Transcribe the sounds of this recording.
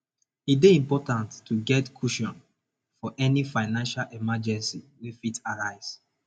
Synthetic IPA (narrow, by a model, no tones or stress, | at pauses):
it̚deĩmpɔtãntːʰuɡɛtkʰuʃɔ̃n | fɔʔɛnifaɪnãnʃalʔɛmad͡ʒɛ̃nsiwefitaɹaɪz̥